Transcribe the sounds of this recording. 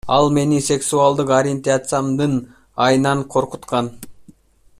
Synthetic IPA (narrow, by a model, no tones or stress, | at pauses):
ɑlˠme̞nisʲe̞ksualˠd̪ɯqoɾʲɪent̪at̪sɨjamd̪ɯn | ɑjnɑɴqʰo̞ɾqut̪qɑn